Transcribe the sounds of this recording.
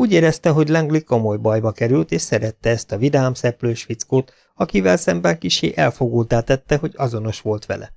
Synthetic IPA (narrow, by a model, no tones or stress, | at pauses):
uːɟeːɾɛst̪ɛɦo̞ɟlɛŋɡliko̞mo̞jbɒjbɒkɛɾylt̪eːʃsɛɾɛt̪ːɛɛst̪ɒvid̪aːmsɛpløːʃʋit̪skoːt̪ | ɒkivɛlsɛmbɛŋkiʃḛːʔɛlfo̞ɡuːlt̪aːt̪ɛt̪ːɛɦo̞ɟɒzo̞no̞ʃʋo̞lt̪ʋɛ̰lʔɛ̰